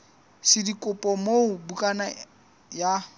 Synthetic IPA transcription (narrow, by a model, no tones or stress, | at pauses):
sɪdikʼʊpʼɔmoʊbukʼana | ja